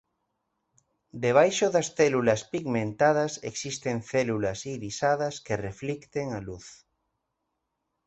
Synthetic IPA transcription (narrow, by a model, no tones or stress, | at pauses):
d̪eβ̞ajʃoðɐsθelulɐspiɣmẽnt̪að̞ɐseksist̪eŋθelulɐsiɾisaðɐskereflikt̪eŋaluθ